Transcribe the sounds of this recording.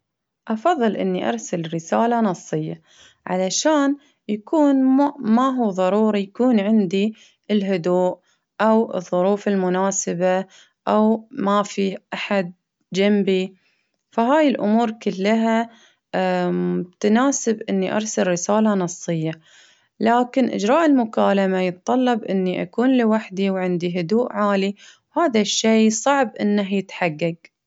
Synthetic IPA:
ʔɑfɑðˤːɨlʔɪ̰nːiʔɑ̰ɾˤsalɾɪsaːlanɑsˤːɨjːa | ʕa̰laʃaːn | jakʰuːnmaɦuːðˤɑɾˤuːɾˤijakuːnʕɪnd̪i | ɪlɦʊd̪uːʔ | ʔawɨ̰ðˤːʊɾuːfɪlmʊnaːsɪba | ʔawmafiːʔaħad̪̚ | d͡ʒambi | faɦaːjɪlʔʊ̰muːɾkɪlːaɦa | t̪anaːsɪbʔɪnːiʔɑ̰ɾˤsalːɪsaːlɑnɑsˤːɨjːa | laːkɪnʔɪ̰d͡ʒɾɑːʔɪlmʊkaːlamajɨt̪t̪ˤɑlːɑbʔɪnːiʔa̰kuːnlɪwaħd̪iwʕɪnd̪iɦʊd̪uːʔʕaːliwhaːðaʃːeːsˤɑʕbʔɪ̰nːaɦjɪt̪ħaɡːaɡ

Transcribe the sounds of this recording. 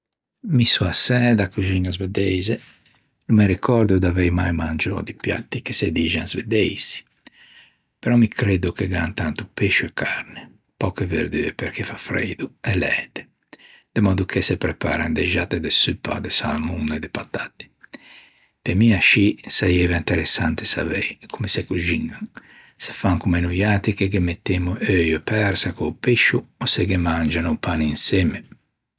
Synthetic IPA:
misuasɛd̪akuziɲazvɛd̪ɛjzɛ | numɛɾikʰɔɾd̪ud̪avejmajmand͡ʒɔ̰d̪ipja̰t̪ːike̥sed̪iʒanzved̪ejsi̥ | pɛɾɔmikʰɾed̪ukeɡant̪ant̪upeʃuɛkaɾne | pɔkɛveɾd̪yɛpɛɾkefafɾḛd̪uɛlɛ̰ːt̪ɛ̥ | d̪̥emɔd̪ukʰesepɾepaɾand̪eʒat̪ːed̪esypːa̰d̪esalmuned̪epat̪at̪i̥ | pemiaʃisajɛvint̪eɾesant̪e̥sa̰vɛjkʰumesekuʒiŋɡaŋ | se̥faŋkumenujaːt̪ikekemet̪ːemuʔøjepɛɾsakoːpeʃuɔsekemand͡ʒanupaninsɛme

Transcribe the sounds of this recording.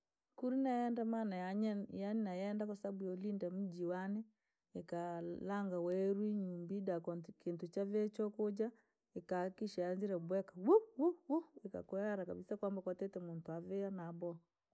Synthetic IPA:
kuɾinajɛndamanajaɲjaninajɛndakosabuolindamud͡ʒiwane | ekalaŋɡawɛɾwiɲumbidakɔkentot͡ʃaβɛt͡ʃɔkod͡ʒa | ekakiʃaanziɾɛbwɛkawuwuwueka̰koaɾakaβisakwambakwatɛtɛmuntoaveanabɔ

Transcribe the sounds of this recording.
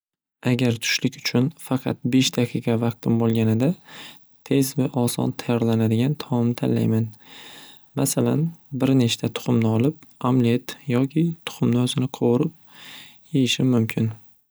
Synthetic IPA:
aɡʲaɾt̪ʰʊ̥ʃlɪkʲʊ̥t͡ʃʰʊnfɑqʰɑ̰t̪̚be̞ʃd̪ʰaqʰiqɑvɑq̚t̪ʰɪmbolˠɡʲanɪd̪a | t̪ʰe̞zvaʔɒsɒ̰nt̪ʰajɒɾlanad̪ɪɡʲant̪ʰɒmmɪt̪ʰa̰lːa̰jman | ma̰sala̰nbɪɾnet͡ʃt̪ʰat̪ʰʊ̥χʊmnɪɒlɪp̚amliet̪jɒkʲʰɪt̪ʰʊ̥χʊmnɪɵzɪnɪqʰowʊɾɪp̚ | jejɪʃɪmʊmkʲʰɪn

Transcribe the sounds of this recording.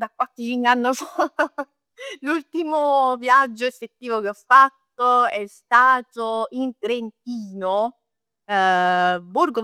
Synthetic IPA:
d̪akwat̪ːit͡ʃinanːos | lult̪imovjad͡ʒːoefːet̪ːiːvok̟eɔfːat̪ːoɛst̪aːt̪oint̪ɾent̪̚iːno | burɡo

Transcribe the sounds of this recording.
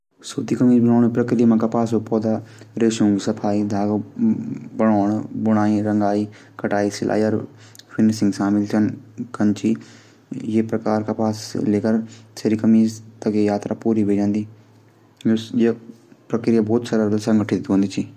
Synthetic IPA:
soːt̪iːkəmiːd͡ʒbəñaːɳːpɾəkɾijmãːkaːpaːsopɔːd̪aːɾeːʃũŋɡsəpʰaːiːd̪ʱaːɡ | bəɽ̃aːɳbəɽ̃aːiːɾəŋɡaːiː | kəʈaːiːsɪlʔa̰ːiɔɾ | pʰɪnsɪ̃ŋɡsaːmɪlsənkənt͡ʃiː | jeːpɾəkaːɾkaːpaːsleːkəɾseɾiːkəmiːt̪əkeːjaːt̪ɾaːpuːɾiːʋeːd͡ʒãːnd̪iː | je | pɾəkɾɪjaːbɔːt̪səɾəɾsəŋɡəʈʰɪɪt̪ɦõːnd̪iːt͡ʃiː

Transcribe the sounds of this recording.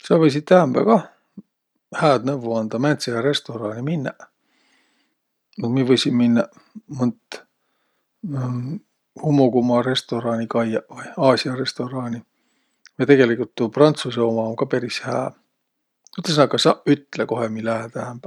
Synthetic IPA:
sɑvɤjs̬it̪ːæɦæmb̥æ̰kɑ | hæːd̪nævuɑnd̪̥ɑmænt̪sejɑɾe̞st̪o̞ɾɑːnʲiminːɑ̰ | nud̪mievɤjsʲimminːɑ | munt̪ | humːoɡumɑɾe̞st̪o̞ɾɑːnʲikɑjɑvɯjɑːsʲiɑre̞st̪o̞ɾɑːnʲi | vɑjt̪e̞ɡe̞likˑult̪ːuprɑnt̪suseomɑoŋkɑpeɾishæ̰ː | yt̪ːˑlsnɑkːɑsɑyt̪ːleko̞hemilæɦet̪æɦæmb̥æ

